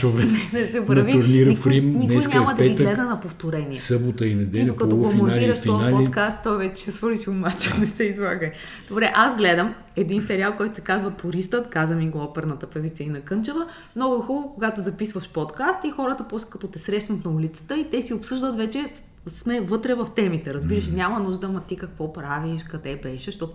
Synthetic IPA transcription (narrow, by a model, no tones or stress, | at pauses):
t͡ʃovɛnɛnɛsɛpɾɐviʊɾnniɾəifɾimninɛnʲɲʲamɐd̪ɐɛiɡ̪lɛd̪ɐnɐpoft̪oɾɛniɛsəbot̪əinɛd̪ɛlʲokɐt̪ɔofminoaliɾəʃtfiɔnalpikast̪ːɔjvɛt͡ʃɛ̥sɛsvɤɾit͡ʃ̪iomat͡ʃɛnɛsɛizvˠaɡəj | d̪̥obɾɛʔazɡlɛd̪əm | ɛd̪insɛɾʲialˠkɔjt̪ʊ̥sɛkazvɐt̪ʊɾist̪ət̪kazvɐmiɡoɔpɛɾnət̪əpɛvit̪səinɐkɤnt͡ʃəvə | mnɔɡʊxubəvokoɡat̪ozɐpisvɐʃpɔt̪kast̪ixɔɾət̪əpɔslʲɛ̥kɐt̪ɔt̪ɛsɾɛʃnɐt̪nɐulit̪sə̥t̪əit̪ɛsiopsɤʒd̪ət̪vɛt͡ʃɛ | smɛvɤt̪ɾɛvɐft̪ɛmit̪ɛɾɐzbiɾəʃinʲamɐnuʒd̪əɐmɐt̪ikɐkvɔpɾaviʃkɐd̪ɛbɛʃɛʃt̪ɔt̪